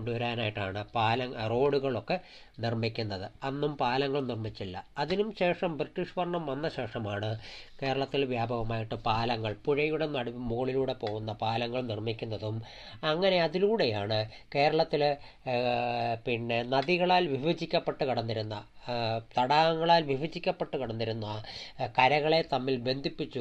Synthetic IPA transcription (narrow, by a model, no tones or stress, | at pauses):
oɳɖuʋɐɾaːnaːjiʈːaːɳɨpaːlɐŋro̞ːɽuɣɐɭo̞kːe̞ | nirmikʲːunːɐðɨɐnːumpaːlɐŋːɐɭnirmit͡ɕːilːɐɐðinumɕe̞ːʂɐmbriʈːiʂʋɐrɳɐmʋɐnːɐɕe̞ːʂɐmaːɳɨke̞ːɾɐɭɐt̪ːilʋjaːbʱɐɣɐmaːjiʈːɨpaːlɐŋːɐɭpuɻɐjuɽe̞nɐɽumuɣɐɭiluːɽe̞po̞ːɣunːɐpaːlɐŋːɐɭnirmikʲːunːɐðum | ɐŋːɐne̞ɐðiluːɽe̞jaːɳɨ | ke̞ːɾɐɭɐt̪ːil | pinːe̞nɐðiɣɐɭaːlʋibʱɐd͡ʑikʲːɐpːe̞ʈːɨkɐɽɐnːiɾunːɐt̪ɐɽaːɐŋːɐɭaːlʋibʱɐd͡ʑikʲːɐpːeʈːɨkɐɽɐnːiɾunːuɐkɐɾɐɣɐɭe̞t̪ɐmːilbe̞nd̪ʱipːit͡ɕːu